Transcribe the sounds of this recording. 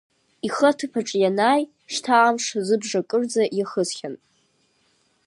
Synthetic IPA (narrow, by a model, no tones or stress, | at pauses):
iχɐtʰɨpʰaʈ͡ʂʼjanaːj | ʂtʰaamʂazɨbʐakʼɨrd͡zajaχəzχʲan